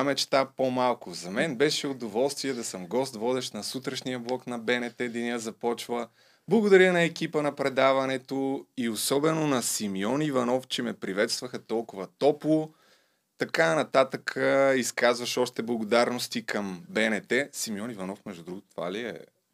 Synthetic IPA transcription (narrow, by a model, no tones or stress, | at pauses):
amɛt͡ʃt̪apomalˠkʊzɐmɛnbɛʃɛʊd̪ovɔlˠst̪viɛd̪ɐsəmɡɔst̪vɔd̪ɛʃnɐsut̪ɾɐʃnijəblˠɔknɐbɛnɛt̪ɛd̪ɐniəzɐpɔt͡ʃvə | blˠɐɡʊd̪ɐɾənɐɛkipənɐpɾɛd̪avɐnɛt̪oiosɔbɛnonɐsimiɔnivɐnɔft͡ʃɛmɛpɾivɛt̪st̪vəxɐt̪ɔlˠkʊvɐt̪ɔplˠʊ | t̪ɐkaɛnɐt̪at̪əkʰəiskazvɐʃɔʃt̪ɛblˠɐɡod̪aɾnost̪ikəmbɛnɛt̪ɛsimiɔnivɐnɔfmɛʒd̪ud̪ɾuɡʊt̪t̪va̰liɛ̰